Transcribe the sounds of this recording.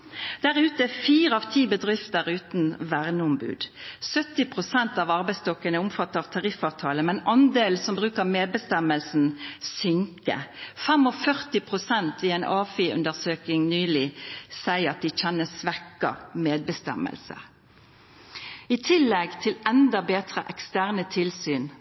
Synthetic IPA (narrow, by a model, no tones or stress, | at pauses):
d̪̥æʁʉːt̪əɛfiːɾəɑʋt̪ʰiːbəd̪ʁɪft̪əʁʉːt̪nʋæʁnəɔmbʉ̰ːd̪sœt̪ːɪpʰʁʊsɛnt̪ɑːʋɑʁbæɪst̪ɔkːənəʊmfɑt̪ːəɾɑʋt̪ʰɑʁɪfɑːʋt̪ʰɑːləmɛnʔɑnd̪eːlsɔmbʁʉːkəʁmeːd̪̚bəst̪ɛməlsn̩sʏŋkə̰fɛmɔfœʁt̪ɪpʰʁʊsɛnt̪ʰʋɪɛnʔɑːfiʉ̰nd̪əʁsøːkɪŋnyːlɪsæɪəɾɑt̪̚d̪ɪc͡çɛnːəsʋɛkɑ̰meːd̪̚bəst̪ɛ̰mə̰lsə̰ | ɪt̪ʰɪlːɛɡt̪ʰɪlɛnd̪ɑbeːt̪ʁəʔɛkst̪æːʁnət̪ʰɪlsyːn